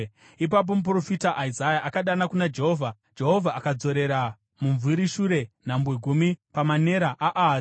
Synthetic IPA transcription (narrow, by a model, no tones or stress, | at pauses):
ip̬ap̬o̞mup̬ro̞fitaʔaizajaʔakaɗanakunad͡ʒe̞ɦo̞ːvʱa | d͡ʒe̞ɦo̞vʱaːkad͡zo̞ɾe̞ɾa | muɱvuɾiʃuɾe̞n̤ambweɡʱumipamane̞ɾaʔaʔa